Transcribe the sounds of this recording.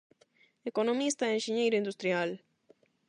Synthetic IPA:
ekonomist̪aenʃiɲejɾoind̪ust̪ɾjal

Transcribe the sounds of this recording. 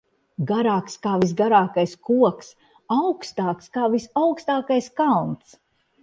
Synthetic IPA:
ɡaɾaːkskaːvis̬ɡaɾaːkajskuɔks | awkst̪aːkskaːvisawkst̪aːkajskalˠnt̪s

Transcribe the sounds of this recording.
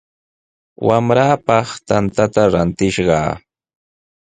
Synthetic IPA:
wamɾaːpɑχt̪ant̪at̪aɾant̪ɪʃɢɑ̰ː

